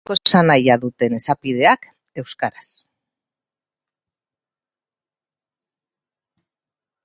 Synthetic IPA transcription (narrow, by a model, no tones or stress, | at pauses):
osanajaðut̪e̞ne̞sapiðe̞ak | e̞wskaɾas